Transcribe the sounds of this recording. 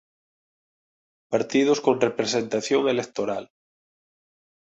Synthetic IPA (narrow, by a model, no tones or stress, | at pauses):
paɾt̪ið̞oskõnrepɾesẽnt̪aθjoŋelek̚t̪oɾal